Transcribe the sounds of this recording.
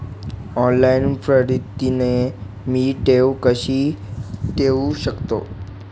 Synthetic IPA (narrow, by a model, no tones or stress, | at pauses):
ɔːnlaɪnpʰɾəɾɪt̪ine | miːʈeːʋkəʃi | ʈeːʋuʃəkt̪o̰ː